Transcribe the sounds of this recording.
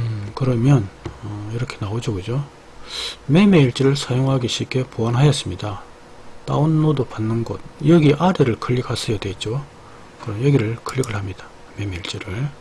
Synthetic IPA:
ɯkɯɾʌmjʌnʌiɾʌkʰe̞naod͡ʑoɡɯd͡ʑo | me̞meiɭt͡ɕ͈iɾɯɭsʰajoŋɦaɡiɕʰip̚k͈e̞poanɦajʌs͈ɯmɲida | t͈a̰onːodopanːɯnɡʌd̚jʌɡiʔaɾeɾɯɭkʰɯʎːiɡasʰɯjadwe̞it̚t͡ɕ͈o | kɯɾʌjʌɡiɾɯɭkʰɯʎːiɡɯɭhamɲid̥ḁ | me̞meiɭt͡ɕ͈iɾɯɭ

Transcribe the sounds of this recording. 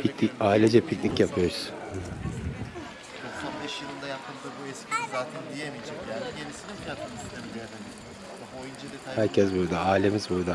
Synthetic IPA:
pʰicnʲicaːilʲɛd͡ʒɛpʰicnicjapʰɯjo̞ɾuz̥ | ɛn | onbeʃjɯlˠɯnd̪ajak̪ʰɯnd̪ɯbuɛscʰinizaːt̪ʰænd̪ijemijd͡ʒɛcjæiɟeɾisinibiaast̪ʰemi | ojind͡ʒahæɾcʰɛsbuɾd̪aaːilʲe̞mizbuɾd̪a

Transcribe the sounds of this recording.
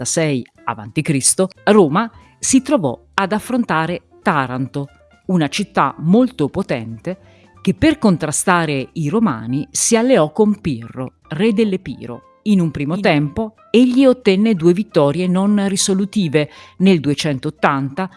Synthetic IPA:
asɛj | a̰va̰nt̪ikɾist̪oroːma | sit̪ɾovɔ̰ | ad̪afːɾont̪aːɾe | t̪aːɾant̪o | unat͡ʃit̪ːa̰molt̪opot̪ɛ̰nt̪e | k̟epːerkont̪ɾast̪aːɾeiɾoma̰ːnisialːeɔkːompḭrːo | rɛd̪elːepḭːɾo̰ | inumpɾiːmot̪ɛmpo | eʎːiot̪ːɛnːed̪uːevit̪ːɔːɾjenonrisolut̪iːveneld̪uet͡ʃɛnt̪oːt̪ːant̪a

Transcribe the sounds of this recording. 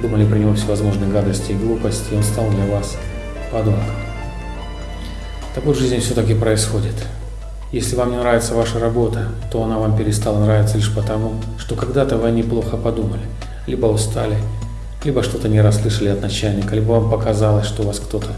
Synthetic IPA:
d̪uməlʲɪpɾʲɪnʲɪvofsʲɪvɐzmo̞ʐnɨɡad̪əsʲtʲɪːɡlˠupəsʲtʲɪonst̪alˠd̪lʲɐvas | pɐd̪omkəm | t̪ɐkovʐɨzʲnʲɪfsʲɵt̪ak̬ʲɪpɾəɪsxo̞dʲɪt̪ | jesʲlʲɪvamnʲɪnɾavʲɪt̪səvaʂəɾɐbo̞t̪ət̪o̞ɐnavampʲɪɾʲɪst̪alˠənɾavʲɪt̪səlʲiʂpət̪ɐmuʂt̪o̞kɐɡd̪at̪əvɨnʲɪplˠo̞xəpɐd̪uməlʲɪ | lʲibəʊst̪alʲɪ | lʲibəʂt̪o̞t̪ənʲɪɾɐslˠɨʂəlʲɪɐt̪nɐt͡ɕælʲnʲɪkəlʲibəvampəkɐzalˠəsʲʂt̪ovaskt̪o̞t̪ʰə

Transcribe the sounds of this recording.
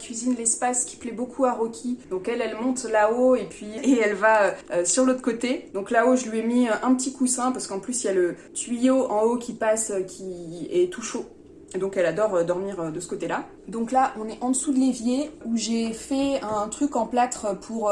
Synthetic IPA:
kʲɥizinlɛspaskʲi̥plɛbokʰuaʁɔkʲʰid̪̥ɔ̃kɛlɛlmɔ̃t̪laoepɥieɛlvaøøsyʁlot̪χəkot̪ed̪ɔ̃klaoʒəlɥiɛmiøʔɛ̃pət̪ikusɛ̃paʁsə̥kɑ̃plysiljalə | t̪ɥijoʔɑ̃okʲipasøkʲʰiɛt̪uʃo | ed̪ɔ̃kɛlad̪ɔʁød̪ɔʁmiʁød̪əsə̥kot̪ela | d̪ɔ̃klaʔɔ̃nɛʔɑ̃d̪əsud̪əlevjeuʒefɛɛ̃t̪χykɑ̃plat̪χpʰuʁ

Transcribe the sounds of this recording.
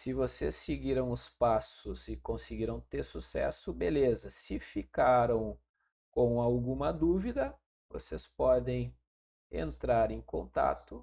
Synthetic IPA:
sɪvosesːeɡiɾɐ̃w̃ʊspasʊzɪkõsɪɡiɾɐ̃w̃t̪eɾsusɛ̰sʊbelezɐsɪfikaɾɐ̃w̃ | kõw̃awɡũmɐd̪uvid̪ɐ | vo̰sespɔd̪ẽj̃ | ḛ̃nt̪ɾaɾẽj̃kõ̰nt̪a̰t̪ʊ

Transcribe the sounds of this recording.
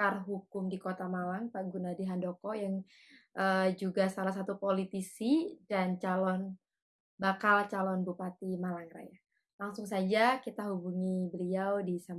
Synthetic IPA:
karɦukʊmdikot̪amalaŋpaɡunadiɦandokɔjaŋ | ʔəd͡ʒuɡasalahs̬at̪upolit̪isidant͡ʃalɔn | bakalt͡ʃalɔnbupat̪imalaŋɾa̰ja | laŋsʊŋsad͡ʒakit̪aɦubuŋibəliawdisam

